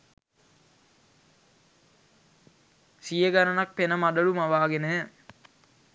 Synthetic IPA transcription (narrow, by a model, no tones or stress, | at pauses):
sijəɡanənak̚penəmad̪əɭumaʋaːɡenə